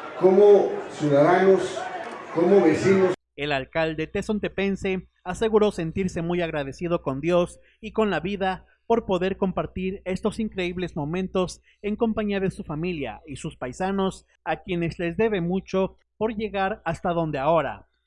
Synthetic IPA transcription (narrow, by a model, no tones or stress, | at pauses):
komosjuðaðanoskomoβesino | e̞lalkald̪e̞t̪eso̞nt̪e̞pe̞nse̞ | ase̞ɣuɾo̞se̞nt̪iɾse̞mujaɣɾaðe̞sið̞o̞ko̞nd̪jo̞s | iko̞nlaβiða | po̞ɾpo̞ðe̞ɾko̞mpaɾt̪iɾe̞st̪o̞siŋkɾe̞iβle̞zmõ̞mẽ̞nt̪o̞s | e̞ŋko̞mpaɲiaðe̞sufamilja̰isuspajsano̞s | akje̞ne̞zle̞zd̪e̞βe̞mut͡ʃo̞ | po̞ɾʝe̞ɣaɾast̪aðo̞nd̪eao̞ɾa̰